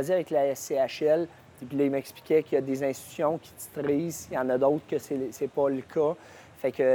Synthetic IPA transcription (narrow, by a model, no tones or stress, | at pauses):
aziavɛklaɛsːeaʃɛl | pilɔimɛkspli̥kʲɛkʲjɑd̪ezɛ̃st̪t̪sjɔ̃kʲi̥t̪i̥t̪ʁiːzjɑ̃ːnʌd̪owt̪χkəsɛsɛpʌləkʰʌ | fɛkə